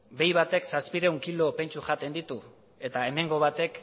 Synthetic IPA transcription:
be̞jβat̪e̞ksaspiɾe̞uŋkilo̞pe̞nt͡ʃuʝat̪e̞nd̪it̪u | e̞t̪ae̞me̞ŋɡo̞βat̪e̞k

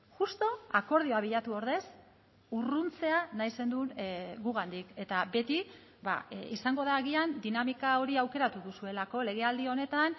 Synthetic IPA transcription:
ʝust̪o̞ako̞ɾð̞ioaβiʎat̪uo̞ɾðe̞s | urunt͡se̞anajse̞nd̪unɡuɣand̪ike̞t̪abe̞t̪i | ba̰isaŋɡo̞ðaɣiand̪inamikao̞ɾiawke̞ɾat̪uðusue̞lako̞le̞ɣ̞e̞ald̪io̞ne̞t̪an

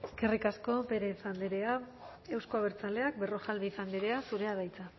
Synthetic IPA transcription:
eskerikasko̞pe̞ɾe̞sand̪eɾea | e̞wskoaβeɾt͡sale̞ak̚be̞ro̞ʝalβifand̪eɾe̞asuɾe̞aðajt͡sa

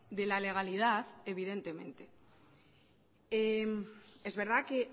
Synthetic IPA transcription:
d̪e̞lale̞ɣ̞alið̞aðe̞β̞ið̞e̞nt̪e̞mẽ̞̰nt̪e̞ | eme̞zβe̞ɾð̞ake̞

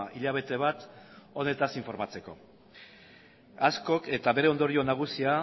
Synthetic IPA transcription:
iʎaβ̞e̞t̪e̞β̞at̪o̞ne̞t̪asiɱfo̞ɾmat͡se̞ko̞̰ | asko̞ke̞t̪aβe̞ɾe̞o̞nd̪o̞ɾio̞naɣ̞usia

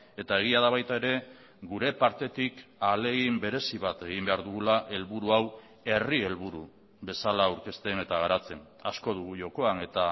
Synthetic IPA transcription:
e̞t̪ae̞ɣ̞iaðaβajt̪ae̞ɾe̞ | ɡuɾe̞paɾt̪e̞t̪ikale̞ɣimbe̞ɾe̞siβat̪e̞ɣ̞imbe̞aɾðuɣulaʔe̞lβuɾuaw | e̞rie̞lβuɾu | βe̞salawɾke̞st̪e̞ne̞t̪aɣaɾat͡se̞n | asko̞ð̞uɣ̞uʝo̞ko̞ane̞t̪a

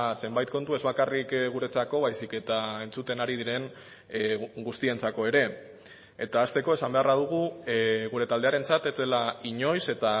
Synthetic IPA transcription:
se̞mbajt̪ko̞nt̪ue̞zβakarikɣuɾe̞t͡sako̞βajsike̞t̪ae̞nt͡sut̪e̞naɾið̞iɾe̞ŋ | ɡust̪ie̞nt͡sako̞e̞ɾe̞ː | t̪aːst̪e̞ko̞esambe̞araðuɣ̞uɣuɾe̞t̪ald̪e̞aɾe̞nt͡sat̪e̞zd̪elaiɲo̞jse̞t̪a

